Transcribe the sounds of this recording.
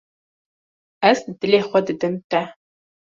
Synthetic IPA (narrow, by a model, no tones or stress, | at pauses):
ɐsdɨleːχʷɔdɨdɨmtʰa